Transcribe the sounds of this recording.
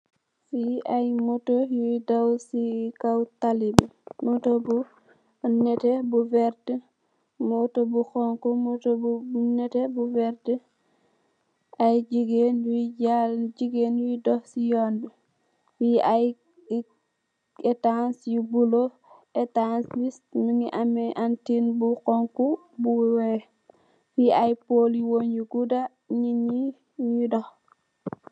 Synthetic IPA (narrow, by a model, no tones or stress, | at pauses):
fiajmɔtojudawsikawtalibmɔtobu | nɛtɛbuvɛɾtə | mɔtobuxɔŋkɔmɔtobubunɛtɛbuvɛɾtə | ajd͡ʒiɡenjud͡ʒald͡ʒiɡenuidɔhsijɔnbɛ | wiaj | etansjibulo | etanslistmiŋiʔamɛʔantinbukɔŋku | buwwe | wiajpoliwoɲjuɡuda | ɲiɲi | jidɔh